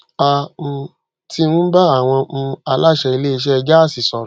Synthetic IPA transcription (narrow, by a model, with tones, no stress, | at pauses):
a˧m̩̃˧ | ti˦nũ˦ba˦a˦˨w̃ɔ̃˧a˧la˦˨ʃɛ˧i˧le˦i˧ʃɛ˦˧d͡ʒa˦˨si˨sɔ˨ɾɔ˨